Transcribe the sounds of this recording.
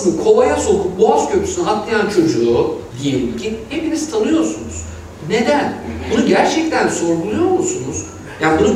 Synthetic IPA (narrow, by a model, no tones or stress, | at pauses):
mkʰo̞lˠajaso̞kʰuboazcʰøp̪ʰy̥synak̪lˠajant͡ʃʰo̞d͡ʒuːd̪ijebicʰʲihe̞piniz̥t̪ʰanɯjo̞ɾsunuz̥ | ne̞d̪ænbunuɟæɾt͡ʃʰɛc̚t̪ʰænso̞ɾɡulˠujo̞ɾmusunuz̥ | jaːnibunu